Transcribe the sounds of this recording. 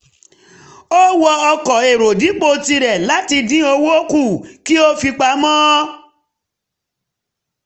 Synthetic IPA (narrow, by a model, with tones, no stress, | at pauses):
o˦wɔ˧ɔ˧kɔ˨e˨ɾo˨di˨˦k͡po˧˨ti˧ɾɛ˨la˨˦ti˧dĩ˦o˧wo˦ku˦˨ki˦o˦fi˧k͡pa˧˦mɔ̃˦